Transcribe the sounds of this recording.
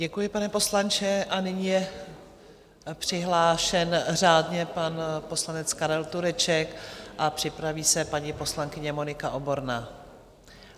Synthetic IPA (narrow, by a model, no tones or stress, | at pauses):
ɟɛkujɪpanɛpo̞slant͡ʃɛʔanɪɲijɛ | pr̝̥ɪɦlaːʃɛnr̝aːdɲɛpanpo̞slanɛt͡skaɾɛlt̪uɾɛt͡ʃɛkʔapr̥ɪpɾaviːsɛpaɲipo̞slaŋkɪɲɛmonɪkaʔo̞bo̞ɾnaː